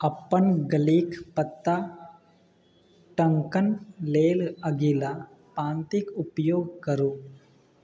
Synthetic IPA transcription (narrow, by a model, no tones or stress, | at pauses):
ɐpːənɡɐliːkpɐt̪ːa | ʈɐ̃ŋkənleːlɐɡila | pãːnt̪ɪkʊpjoːɡ̚kɐɾoː